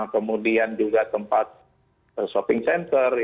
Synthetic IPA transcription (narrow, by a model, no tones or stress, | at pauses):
kəmudiand͡ʒuɡat̪əmpat̪̚ | əsopɪŋsɛnt̪ər